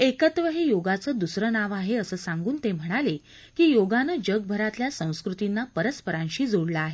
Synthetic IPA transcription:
ekət̪ʋəɦejoɡat͡səːd̪usɾənaʋaɦeəsəːsaŋɡuːnt̪em̤əɽ̃ale | kiːjoɡanəːd͡ʑəɡ̚bʱəɾat̪ljasə̃w̃skɾut̪inːapəɾəspəɾãnɕiːd͡zoɽləaɦe

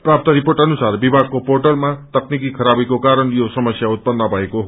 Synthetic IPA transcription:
prap̚t̪ʌɾiporʈʌnusarbibʱaɡ̚koporʈʌlmat̪ʌknikikʰʌɾabikokaɾʌnjosʌmʌsjaut̪̚pʌnːʌbʱʌekoɦ

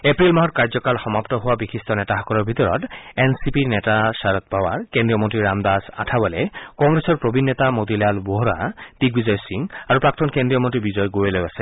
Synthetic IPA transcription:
epɹilmaɦɔt̚kaɹzɔkalxɔmapt̪ɔɦʊwabixʰist̪ɔnɛtaɦɔkɔlɔɹbʱit̪ɔɹɔ̰tensipinɛtasaɹɔt̪̚bawa̰ɹkendɹiɔmontɹiɹamd̪asa̰tʰabɔlɛkɔŋɡɹesɔɹpɹobʱinːɔt̪amod̪ilalboɦɹa̰d̪̥ik̚bizɔjsiŋaɹupɹak̚t̪ɔnkendɹijɔmontibizɔjɡojolojasɛ̥

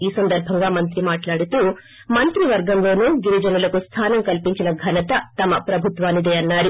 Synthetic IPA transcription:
iːsɐnd̪ɐɾbʱɐŋɡaːmɐnt̪ɾimaːʈlaːɽut̪uː | mɐnt̪ɾiʋɐɾɡɐmlo̞ːnuːɡiɾid͡ʒɐnulɐkust̪ʰaːnɐmkɐlpiɲt͡ʃinɐɡʱɐnɐt̪ɐt̪ɐmɐpɾɐbʱut̪ʋaːnid̪eːɐnːaːɾu

